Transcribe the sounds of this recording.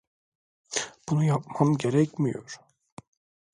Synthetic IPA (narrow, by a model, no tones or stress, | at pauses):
b̥unujap̚mamɟe̞ɾɛcmijo̰ɾ̥